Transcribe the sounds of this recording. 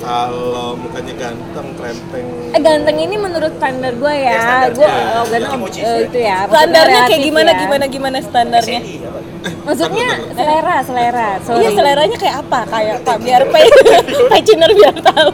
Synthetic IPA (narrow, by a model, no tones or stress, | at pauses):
ɡa | ɡant̪əŋinimənuɾʊt̪st̪andarɡuajaaarɡuaaɡanəəɡit̪ujapt̪andarɲɲaakajaɡimanaɡimanaɡimanasə̥t̪andarɲa | maks̬ut̪̚ɲasəleɾasəleɾasoɲasəleɾaɲakajakapakajap̪abiarpapat͡ʃinərbiart̪au